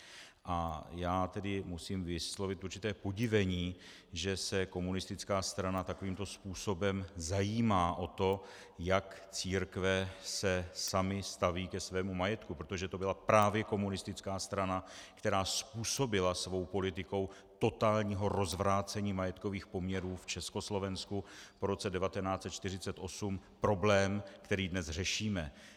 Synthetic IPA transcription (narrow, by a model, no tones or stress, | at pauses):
ʔajaːt̪ɛdɪmusiːmvɪslo̞vɪt̪ʔuɾt͡ʃɪt̪ɛːpo̞ɟɪvɛɲiː | ʒɛsɛko̞munɪst̪ɪt͡skaːst̪ɾanat̪ako̞viːmt̪o̞spuːso̞bɛmzajiːmaːʔo̞t̪o̞ | jakt͡siːɾkvɛsɛsamɪst̪aviːkɛsvɛːmumajɛt̪kupɾot̪o̞ʒɛt̪o̞bɪlapɾaːvjɛko̞munɪst̪ɪt͡skaːst̪ɾanakt̪ɛɾaːspuːso̞bɪlasvo̞wpo̞lɪt̪ɪko̞w | t̪o̞t̪aːlɲiːɦo̞ɾo̞zvɾaːt͡sɛɲiːmajɛt̪ko̞viːxpo̞mɲɛɾuːft͡ʃɛsko̞slo̞vɛnskupo̞ɾo̞t͡sɛdɛvat̪ɛnaːt͡sɛt̪̚t͡ʃt̪ɪr̝ɪt͡sɛt̪ʔo̞sum | pɾo̞blɛːmkt̪ɛɾiːdnɛzrɛʃiːmɛ